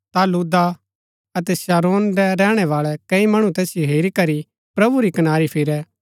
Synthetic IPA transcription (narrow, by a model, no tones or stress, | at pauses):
t̪aluːd̪a | ɐt̪ɛsaːɾoːndɛɾɛːɽ̃ɛʋaːɭɛkɐimɐɽ̃ũt̪ɛːsjoɦeːɾikɐɾi | pɾɐbuɾikɐnaːɾipʰɪɾɛː